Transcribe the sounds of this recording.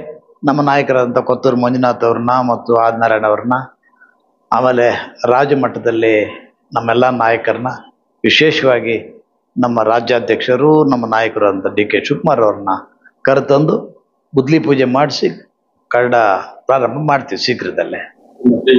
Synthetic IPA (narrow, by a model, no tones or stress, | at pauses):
nɐmːɐnaːjɐkɐɾaːd̪ɐnt̪ʰɐkot̪ːuːɾumoɲd͡ʒnaːt̪ɐʋɐɾɐnɐmɐt̪ːuaːd̪naːɾɐɳɐʋɐɾɐnɐ | a̰ːmeːleɾaːd͡ʒɐmɐʈːɐd̪ɐlːi | nɐmːɛlːanaːjɐkɐɾɐnɐ | ʋiʃeːʃɐʋaːɡi | nɐmːɐɾaːd͡ʒjaːd̪ʱjɐkʂɐɾunɐmːɐnaːjɐkɐɾaːd̪ɐnt̪ʰɐɖiːkeʃukmaːɾɐʋɐɾɐnːɐ | kɐɾt̪ɐnd̪u | bud̪lipuːd͡ʒemaːɽisi | kɐɾɐɽɐpɾaːɾɐmbʱɐmaːɖt̪iʋisiɡɾid̪ɐ̰lːe